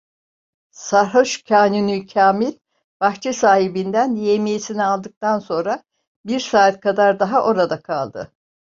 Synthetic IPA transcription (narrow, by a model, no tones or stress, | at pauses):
saɾɦoʃcʰaːnunycʰaːmilʲ | b̥axt͡ʃʰɛsaːhibind̪ænjemijesinialˠd̪ɯk̚t̪anso̞nɾa | biɾsaːt̪̚kʰad̪aɾd̪aɦaʔo̞ɾad̪akʰalˠd̪ɯ̰